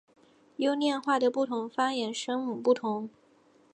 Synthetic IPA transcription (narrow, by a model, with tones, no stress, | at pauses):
jo˥ʊnjɛ˥˧nxwa˥˩d̪ə˩pu˥˩t̪ʰʊ˧˥ŋfa˥jɛ˧˥nʂɤ˥ŋmu˨˩pu˥˩t̪ʰʊ˧˥ŋ